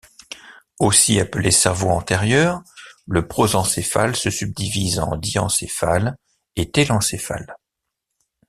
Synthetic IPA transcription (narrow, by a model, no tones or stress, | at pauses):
osiaplesɛʁvoɑ̃t̪ɛʁjœːʁləpχozɑ̃sefa̰lsəsyb̚d̪ivizɑ̰̃d̪iɑ̰̃sefal | et̪elɑ̃sefa̰l